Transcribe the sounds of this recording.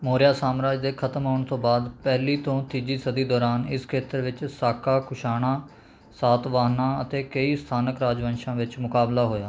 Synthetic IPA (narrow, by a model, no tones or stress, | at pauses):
moːɾjaːsaːmɾaːd͡ʒd̪eːkʰət̪əmɦoːɳt̪õːbaːd̪pɛːliːt̪õːt̪iːd͡ʒiːsəd̪iːd̪ɔːɾaːnɪskʰeːt̪əɾʋɪt͡ʃsaːkʰaːkʰʊʃaːɽ̃ãː | saːt̪ʋaːɦnãːət̪eːkəiːst̪ʰaːnəkɾaːd͡ʒʋə̃nʃãːʋɪt͡ʃmʊkaːblaːɦoːjaː